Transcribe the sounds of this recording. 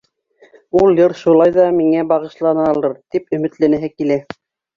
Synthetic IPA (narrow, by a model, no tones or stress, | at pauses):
ulˠjɤɾʃulˠɑjðɑmiŋæbɑʁɤ̆ʃlˠɑnɑlˠɤɾt̪ipɵ̆mɘ̆t̪lænæɦɘkilæ